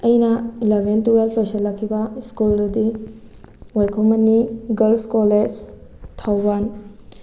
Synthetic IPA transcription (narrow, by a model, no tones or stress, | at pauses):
ɐjnɐlebʱentuelpʰɾesɐlːɐkʰːibɐskuldudi | wajkʰomɐnːiɡɐlskoled͡ʒtʰawban